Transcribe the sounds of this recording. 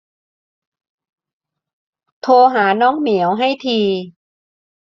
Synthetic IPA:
t̪ʰoː˧ɦaː˩˦nɔː˦˥˨ŋmi˨˩˦əwɦa˥˩jt̪ʰiː˧

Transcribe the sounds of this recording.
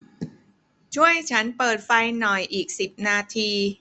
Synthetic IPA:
t͡ɕʰu˥˩əjt͡ɕʰa˦˥npɤː˨˩t̪̚fa˧jnɔ˨˩jʔiː˨˩k̚si˨˩p̚naː˧t̪ʰiː˧

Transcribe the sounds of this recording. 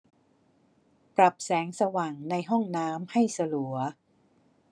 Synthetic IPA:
pɾa˨˩p̚sɛː˩˦ŋsa˧wa˨˩ŋna˧jɦɔ˥˩ŋnaː˦˥mha˥˩jsa˧lu˩˦ɐ

